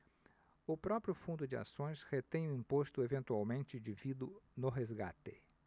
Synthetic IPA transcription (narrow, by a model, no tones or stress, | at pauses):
ʊpɾɔpɾjʊfũnd̪ʊd͡ʒɪa̰sõj̃shet̪ẽj̃ʊĩpost̪ʊevẽnt̪uawmẽnt͡ʃɪd͡ʒivid̪ʊnʊɦezɡa̰t̪ɪ